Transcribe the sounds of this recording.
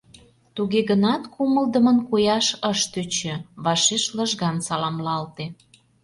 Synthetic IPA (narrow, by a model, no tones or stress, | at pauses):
t̪uɣeɣənɑt̪kuməld̪əmənkujɑʃəʃt̪øt͡ɕø̆βɑʃeʃləʒɣɑnsɑlɑmlɑlt̪e